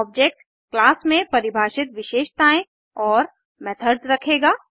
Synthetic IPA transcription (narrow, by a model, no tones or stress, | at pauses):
ɔːb̚d͡ʒek̚ʈ | klaːsmẽpɐɾɪbʱaːʃɪt̪ʋɪʃeːʃt̪aːẽ | ɔːɾ | mɛːt̪ʰəɾzɾɐkʰeːɡaː